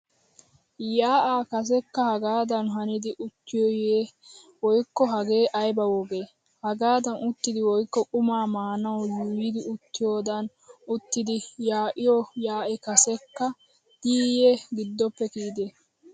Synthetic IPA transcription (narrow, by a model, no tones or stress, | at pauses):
jaːʔaːkɐs̬ɛkːɐhɐɡaːd̪ɐnɦɐnɪd̪ɪʔʊt̪ːɪjɔjeː | wɔjkːɔɦɐɡe̞ːʔɐjbɐwɔɡe̞ː | hɐɡaːd̪ɐnʊt̪ːɪd̪ɪwɔjkːɔʔʊmaːmaːnɐwjuːɪd̪ɪʊt̪ːɪjoːd̪ɐn | ʊt̪ːɪd̪ɪjaːʔɪjɔjaːʔɛkɐsɛkːɐ | d̪̥iːjeɡɪd̪ːɔpːɛkiːd̪eː